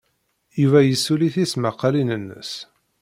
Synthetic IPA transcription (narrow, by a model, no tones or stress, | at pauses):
juvæjəsːuliθisməqːɑlinənːə̰s